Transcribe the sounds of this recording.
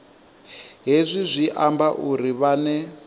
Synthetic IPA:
ɦezʷizʷiʔambaʔuɾiβanɛ

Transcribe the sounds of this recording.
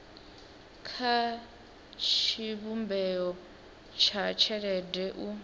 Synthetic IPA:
kʰa | t͡ʃʰiβumbɛɔ | t͡ʃʰat͡ʃʰɛɺɛdɛʔu

